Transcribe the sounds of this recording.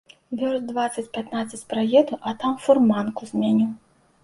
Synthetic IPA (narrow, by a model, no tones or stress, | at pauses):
vʲɔrzd̪vat̪sːɐt͡sʲpʲat̪nat̪sːɐt͡sʲpɾajɛd̪uʔɐt̪amfurmankuzʲmʲanʲiw